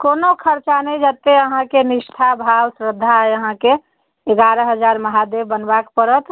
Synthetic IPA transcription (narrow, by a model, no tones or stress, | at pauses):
konokʰəɾt͡ʃanəj̃d͡ʒət̪eəɦãkeniʃʈʰabʱawsɾəd̪ʱːaeəɦãkeː | ɡaɾəɦəd͡ʒaɾməɦad̪ebbənbakpəɾət̪